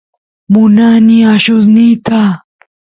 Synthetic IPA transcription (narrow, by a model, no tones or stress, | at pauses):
mʊnaniaʃʊsnɪt̪a